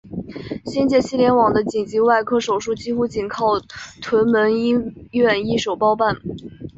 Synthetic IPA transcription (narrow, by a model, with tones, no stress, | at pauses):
ɕɛ˥nt͡ɕjɛ˥˩ɕi˥ljɛ˧˥nwɑ˨˩ŋd̪ə˦t͡ɕi˨˩ŋt͡ɕi˧˥wa˥˩ɪkʰɤ˥ʂo˨˩ʊʂu˥˩t͡ɕi˥xu˥t͡ɕi˨˩nkʰɑ˥˩ʊt̪ʰwə˧˥nmə˧˥ni˥ɥɛ˥˩ni˥ʂo˨˩ʊpɑ˥ʊpa˥˩n